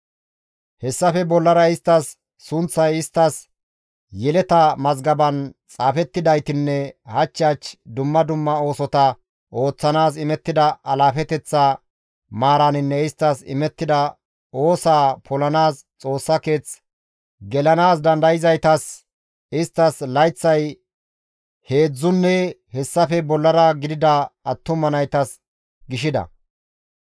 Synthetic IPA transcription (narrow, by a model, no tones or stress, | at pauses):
hɛsːɐfɛbɔlːɐɾɐɪst̪ːɐsː | ʊnt͡sːɐjɪst̪ːɐs | jɛlɛt̪ɐmɐzɡɐbɐnt͡sʼaːfɛt̪ːɪd̪ɐjt̪ɪnːɛhɐt͡ʃːɪaːt͡ʃd̪ʊmːɐd̪ʊmːɐo̞ːsɔt̪ɐ | ʔo̞ːt͡sːɐnaːsɪmɛt̪ːɪd̪ɐɐlaːfɛt̪ɛt͡sːa | maːɾɐnɪnːɛɪst̪ːɐsɪ̰mɛt̪ːɪd̪ɐ | o̞ːsaːpʰɔlɐnaːs | t͡sʼo̞ːsːɐke̞ːt͡s | ɡɛlɐnaːsd̪ɐnd̪ɐjɪzɐjt̪ɐs | ɪst̪ːɐslɐjt͡sːɐj | he̞ːd͡zːʊnːɛhɛsːɐfɛbɔlːɐɾɐɡɪd̪ɪd̪ɐɐt̪ːʊmɐnɐjt̪ɐs | ɡɪʃɪd̪ɐ̰